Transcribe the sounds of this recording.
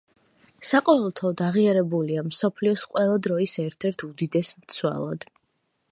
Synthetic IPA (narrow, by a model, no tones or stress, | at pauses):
saqʼɔɛlˠt̪ʰɔd̪aʁiaɾɛbuliamsɔpʰliɔsqʼwɛlˠad̪ɾɔisɛɾt̪ʰɛɾt̪ʰud̪id̪ɛsmt̪sʰwa̰lˠɔ̰d̪̥